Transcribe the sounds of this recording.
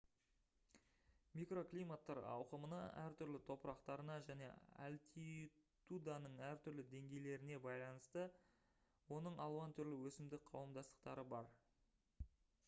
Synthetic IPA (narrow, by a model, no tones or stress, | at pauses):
mijkro̞klijmat̪ːɑɾɑ̰wqəmənɑ̰æ̰ɾt̪ʰʏɾlɪt̪ʰo̞pəɾɑqt̪ɑɾənɑʒæne̞̰ɑ̰lt̪it̪ud̪ɑnəɴæɾt̪ʰʏɾlɪd̪e̞ŋɡʲe̞jle̞ɾɪne̞bɑjlˠɑnəst̪ə | wo̞nəɴɑlˠɑnt̪ʰʏɾlɪwɵsɪmd̪ɪk̚qʰɑ̰wəmd̪ɑst̪əqt̪ɑɾəbɑɾ